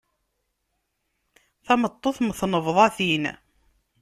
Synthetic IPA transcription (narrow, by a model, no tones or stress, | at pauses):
θæmət̪ˤːoθməθnəvðˤɑθin